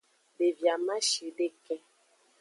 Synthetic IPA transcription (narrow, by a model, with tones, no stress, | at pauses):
be˨vja˨mã˦ʃe˨ɖe˦kɛ˦